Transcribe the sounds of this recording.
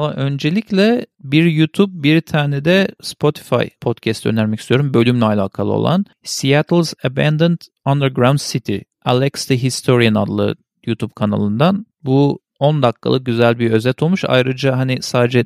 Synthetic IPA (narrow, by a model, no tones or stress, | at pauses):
aʔø̞nd͡ʒe̞lʲicʰlʲɛbiɾjut̪ʰub̚biɾt̪ʰaːnɛd̪ɛspʰo̞t̪ʰi̥fa̰jpʰo̞t̪cʰɛst̪ø̰næɾmɛcist̪ʰijo̞ɾumbø̞lʲymlʲɛalʲaːkʰalˠɯ̰o̰lˠa̰n | sijat̪ʰlˠzabænd̪ɯnt̪ | and̪əɾɡɾawnd̪sit̪ʰḭ | alʲˠɛkst̪iɦist̪ʰo̞ɾijana̰d̪lˠɯ̰ | jut̪ʰub̚kʰana̰lˠɯnd̪an | bu | o̞nd̪akʰːa̰lˠɯk̚ɟyzælʲbiø̞zɛt̪ʰolˠmuʃa̰jɾɯd͡ʒaɦanɪsaːd̪ed͡ʒɛ